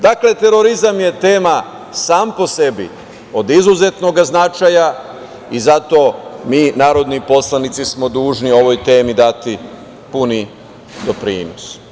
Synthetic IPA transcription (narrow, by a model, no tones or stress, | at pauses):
d̪akle̞t̪e̞ɾo̞ɾizamje̞t̪e̞ːma | saːmpo̞se̞bḭ | o̞d̪izuze̞t̪no̞ɡaznat͡ʃaja | izat̪o̞ːmiːnaːɾo̞d̪nipo̞slˠanit̪sismo̞d̪uːʒnio̞ʋo̞jt̪e̞ːmid̪at̪i | puni | d̪o̞pɾḭːnos